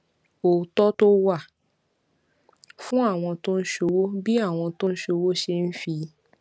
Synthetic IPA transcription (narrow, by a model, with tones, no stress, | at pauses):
o˨tɔ˦to˦wa˦˨ | fũ˦a˦˨w̃ɔ̃˧to˦n̩˦ʃo˧wo˦bi˦a˦˨w̃ɔ̃˧to˦n̩˦ʃo˧wo˦ʃe˧n̩˦fi˧